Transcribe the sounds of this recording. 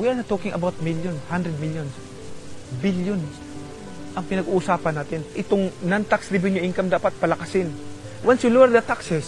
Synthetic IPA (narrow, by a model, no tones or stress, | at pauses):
wianɐt̪oːkɪŋʔɐbawt̪̚miljonhand̪ɾɛd̪̚miljons | biljon | ʔɐŋpɪnɐɡuʔʊsaːpɐnːaːt̪ɪnʔɪt̪oŋnɐnt̪aksd̪ɪbɪɲʊʔiŋkɐmd̪aːpɐt̪̚pɐlɐkɐsɪn | wɐnsʊloɛɾd̪ɐt̪aksɛs